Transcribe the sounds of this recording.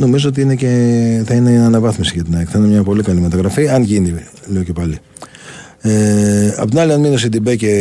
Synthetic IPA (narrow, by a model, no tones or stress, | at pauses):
no̞mizoot̪iine̞ce̞θɐine̞ɐnɐvɐθmisiʝɐt̪inɐkθɐinemɲɐpo̞likɐlimet̪ɐɣɾɐfiɐnʝinileo̞ce̞pɐli | eɐ̰pot̪inɐliɐnminio̞sid̪ibece